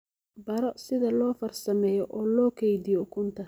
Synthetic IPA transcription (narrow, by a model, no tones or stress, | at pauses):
bɐɾɔsɪðɐlɔːfɐrsɐmɛːjɔʔɔːlɔːkʰɛjdɪjɔkʰʊnt̪ʰɐ